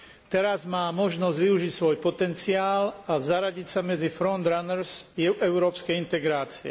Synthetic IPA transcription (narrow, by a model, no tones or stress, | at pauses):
t̪ɛɾazmaːmɔʒnɔzɟʋiuʒicsʋɔjpɔt̪ɛnt͡siaːlazaɾaɟicsamɛd͡zifɾɔnd̪ɾanɛɾz̥ɛʊɾɔːpskɛjint̪ɛɡɾaːt͡siɛ̰